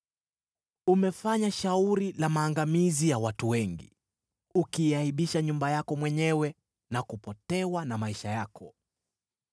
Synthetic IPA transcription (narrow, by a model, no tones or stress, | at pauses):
umɛfaɲaʃauɾilamaːŋɡamizijawatuwɛŋɡḭ | ukiːaiɓiʃaɲumbajakɔmwɛɲɛwɛ | nakupɔtɛwanamaiʃajakʰɔ